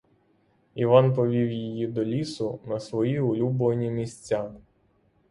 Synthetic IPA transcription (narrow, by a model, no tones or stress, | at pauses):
iʋɑnpɔʋʲiwjijid̪ɔlʲisʊnɐsʋɔjiʊlʲubʋɐnʲimʲisʲt͡sʲːa